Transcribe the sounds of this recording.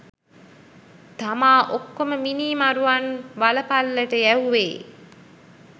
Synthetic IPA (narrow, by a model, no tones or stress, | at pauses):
t̪amaːʔokːoməminiːmaɾuʋanʋaləpalːəʈəjæuʋeː